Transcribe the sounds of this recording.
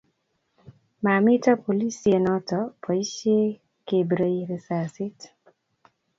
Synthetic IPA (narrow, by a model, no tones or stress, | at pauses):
mamitɔpolisienɔtɔpʰɔise | kebɾejɾisasit